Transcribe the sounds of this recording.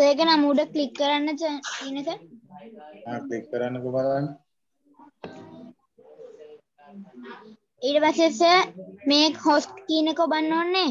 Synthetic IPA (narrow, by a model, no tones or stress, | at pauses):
seːkənamuːɖəklikːəɾanːət͡ʃiːnəkə | aːklikːəɾanːəkobalanːə | iːɖəpasesəmẽːkhosʈkiːnəkobɐnːoːnːeː